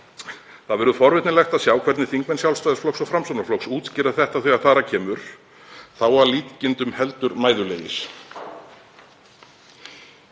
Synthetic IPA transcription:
θaðvɛːɾʏfɔɾvɪt̪nɪlɛxt̪aðsjaːwkʰvɛɾt̪nɪθiŋkmɛnsjawlst̪ajðɪsflɔksɔɣfɾamsɔnaflɔksuːt̪scɪːɾaθɛht̪aθɛːɣaθaːɾacʰɛːmʏɾ̥ | θawaliːt̪cɪnt̪ʏmhɛlt̪ʏɾmaːjðʏlḛjɪ̰s

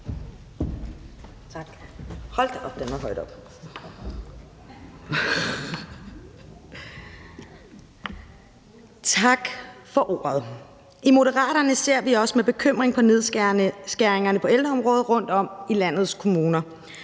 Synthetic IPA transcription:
hɒ̽l̰d̥ɒb̥̚d̥enʋɑɦɒ̽ɪd̥ɒ̽b̥ | t͡sʰɑ̈ɡ̥fɒ̽ʔo̝̰ːɐðˠ | imo̝ɾəʁɑ̰̈ːɾɐnəse̝ɐ̰ʋiɒ̽smeb̥e̝kʰøm̰ʁeŋpʰɒ̽ne̝ð̞ˠsɡ̥æɐʁeŋɐnəpʰɒ̽eld̥ʁɐɒ̽mʁɔ̽ːð̞̩ˠʁɔ̽n̰d̥ɒ̽m̰ilæn̰ð̞̩ˠskʰo̝muːnɐ

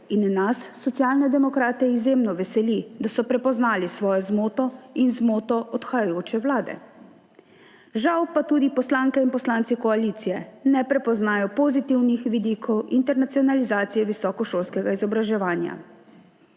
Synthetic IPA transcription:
inːasːɔt̪sjalnɛd̪ɛmɔkɾaːt̪ɛizjemnɔʋɛsɛlid̪asɔpɾɛpɔznaːlisʋɔːjɔzmoːt̪ɔinzmoːt̪ɔʔɔt̪xajajoːt͡ʃɛwlaːd̪ɛ̰ | ʒawpat̪uːd̪ipɔslaːŋkɛinpɔslaːnt̪sikɔalit̪sijɛnɛpɾɛpɔznaːjɔpozit̪iwnixʋid̪iːkʰɔwint̪ɛɾnat̪siɔnalizaːt̪sijɛʋisɔːkɔʃoːlskɛɡaizɔbɾaʒɛʋaːnja̰

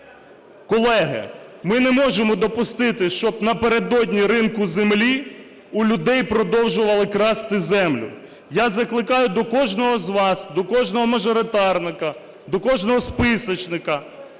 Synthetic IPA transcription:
kɔlˠɛɦɪ̰mɪnɛmɔʒemɔd̪ɔpʊst̪ɪt̪ɪʃt͡ʃɔbnɐpeɾed̪ɔdʲnʲiɾɪnkʊzemlʲi | ulʲʊd̪ɛjpɾɔd̪ɔwʒʊʋɐlˠɪkɾɑst̪ɪzɛmlʲʊ̰ | jazɐklˠɪkɑjʊd̪ɔkɔʒnɔɦɔzʋɑsd̪ɔkɔʒnɔɦɔmɐʒɔɾɪt̪ɑrnɪkɐ | d̪ɔkɔʒnɔɦɔspɪsɔt͡ʃnɪkɐ

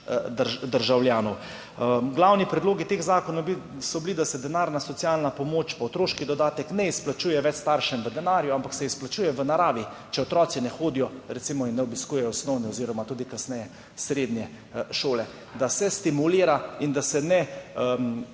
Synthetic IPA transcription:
d̪əd̪əɾʒawljaːnɔw | ɡlawnipɾɛd̪loːɡit̪eːxzaːkɔnɔbsɔblid̪asɛd̪ɛnaːɾnasɔt̪sialnapɔmoːt͡ʃpɔɔt̪ɾoːʃkid̪ɔd̪aːt̪ɛknɛisplat͡ʃuːjɛʋɛt͡ʃst̪aɾʃɛmʋəd̪ɛnaːɾjuampaksɛisplat͡ʃuːjɛʋənaɾaːʋit͡ʃɛɔt̪ɾɔːt̪sinɛxoːd̪ijɔɾɛt̪simɔinːɛɔbiskuːjɛjɔsnɔwniɔziːɾɔmat̪uːd̪ikasnɛjɛ | sɾeːd̪njɛ | ʃoːlɛ | d̪asɛst̪imuliːɾaind̪asɛnɛ

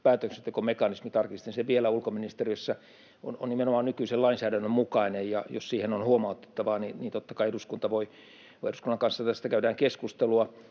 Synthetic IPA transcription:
pæːt̪økset̪jokomekɑnismit̪ɑrkist̪enseʋielæulkominist̪eriøsːɑ | o̰no̰nnimenomɑːnnykyiselɑinsæːdænːømmukɑinejjɑ̰jo̰ssiːhenonhuomɑut̪ːe̥t̪ːɑʋɑːniniːnt̪ot̪ːɑkɑieɾuskunt̪ɑʋoi | ʋoieduskunːɑŋkɑnsːɑt̪æst̪ækæydæːŋkeskust̪eluɑ

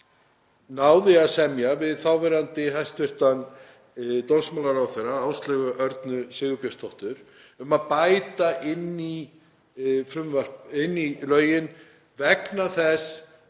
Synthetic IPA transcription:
naːwðɪaðsɛmjavɪðθawvɛɾant̪ɪɦajst̪vɪr̥t̪an | t̪onsmalaɾawθɛjɾaaːwst̪lɛɣʏʔœɾt̪nʏsɪɣʏpjast̪ʰɔht̪ʏɾ | ʏmaðpajt̪aʔɪnːi | fɾʏmval̥pɪnːilœːɥjɪn | vɛknaθɛs

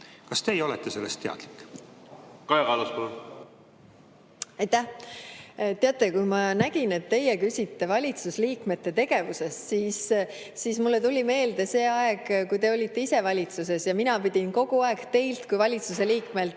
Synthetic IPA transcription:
kɑst̪e̞ːjo̞let̪ːˑese̞lːest̪eɑ̰d̪̥likːˑ | kɑjɑkɑluspolu | ɑjt̪æh | t̪ːe̞ɑt̪ːˑe̞kujmɑnæɡ̥ine̞t̪ːe̞jekysʲit̪ːe̞vɑlʲit̪susliːkme̞t̪ːe̞t̪e̞ɡe̞vuse̞ssiːsː | ismulːet̪ulʲime̞ːld̪e̞se̞ːɑeɡkujt̪e̞o̞lʲit̪ːe̞ise̞vɑlʲit̪suse̞sjɑminɑpid̪̥ʲinko̞ɡ̥uɑekt̪e̞jlt̪kujvɑlʲit̪suse̞liːkme̞l

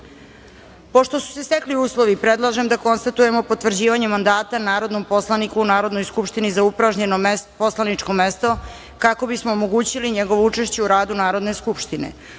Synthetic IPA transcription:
po̞ʃt̪o̞su̥se̞st̪ekliuːslˠo̞ʋipɾe̞d̪lˠaʒe̞md̪ako̞nst̪at̪uje̞mo̞po̞t̪ʋr̩d͡ʑiːʋaɲe̞mand̪aːt̪anaːɾo̞d̪no̞mpo̞slˠanikuːnaːɾo̞d̪nojskupʃt̪inizaupɾaʒɲe̞nopo̞slˠanit͡ʂko̞me̞st̪o̞ | kako̞bismoːmoɡuːt͡ɕiliɲe̞ɡo̞ʋout͡ʂe̞ʃt͡ɕe̞uɾaːd̪unaːɾo̞d̪neskupʃt̪inḛ

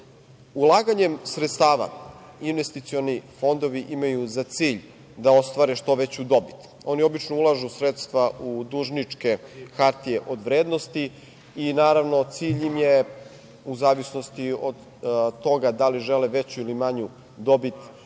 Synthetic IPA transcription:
ulˠaːɡaɲemsɾet̪st̪aːʋa̰ | inʋe̞st̪it̪sio̞nifo̞nd̪o̞ʋiʔimajuzat̪siːʎ | d̪ao̞st̪ʋaːɾeʃt̪o̞ʋet͡ɕud̪o̞bit̪ | o̞nio̞bit͡ʃnoulˠaʒusɾet̪st̪ʋaud̪uːʒnit͡ʂke̞xaɾt̪ijeʔo̞d̪ʋɾeːd̪no̞st̪i | inaːɾaʋno̞t̪siːʎimje | uzaːʋisno̞st̪iod̪ | t̪o̞ɡad̪aliʒeleʋe̞t͡ɕuilimaɲu | d̪o̞bit̪

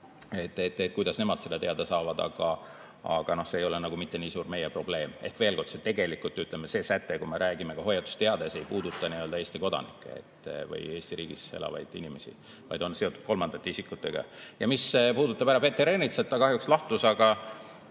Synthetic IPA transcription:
e̞t̪ːˑet̪ːet̪̚kujd̪ɑsne̞mɑd̪̥se̞lːet̪e̞ɑd̪̥esɑːvɑd̪ɑ̰ɡ̥ɑ | ɑ̰ɡ̥ɑno̞hseːjo̞lenɑɡ̥umit̪ːe̞niːsuːrme̞jepro̞b̥le̞ːme̞̰hkve̞ːlko̞rd̪̥set̪e̞ɡe̞likːult̪ːyt̪lemːese̞ːsæt̪ːekujmeɾæːɡime̞kɑho̞jɑt̪u̥st̪e̞ɑd̪̥esejpuːd̪̥ut̪ːˑɑniø̞ld̪ɑeːst̪iko̞d̪ɑ̰nḭkːˑḛḛt̪ːvɤ̰je̞ːst̪iɾiːɡ̥ise̞̰lʔɑ̰vɑ̰jd̪̥inime̞sḭ | vɑ̰jd̪o̞nse̞ot̪ud̥̪̚ko̞lmɑnd̪̥ɑt̪ːeisikːut̪ːe̞ɡ̥ɑ̰jɑmisepuːd̪ut̪ːˑɑb̥æɾɑpet̪ːeɾenit̪selt̪ːɑkɑɦjukslɑht̪usɑɡ̥ɑ

